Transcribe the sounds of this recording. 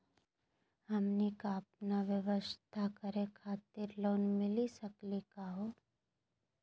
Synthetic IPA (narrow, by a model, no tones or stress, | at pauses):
ɦɐmnikaɐpnaʋjəʋəst̪ʰakəɾekʰaːt̪ɪɾloːnmɪlisɐklikaɦoː